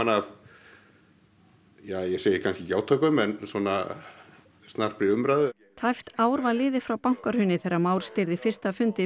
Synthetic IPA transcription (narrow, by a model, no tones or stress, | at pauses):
anav | jaːjɛseːjɪkʰanskcɪcaːwt̪ʰɔkʏmɛnswɔna | st̪nar̥pɾɪʏmɾaðʏ | t̪ʰajft̪aːwɾvalɪːðɪfɾawpawŋ̥kaɾ̥hʏnːɪθɛɾamaːwɾ̥st̪ɪɾðɪfɪr̥st̪afʏnt̪ɪ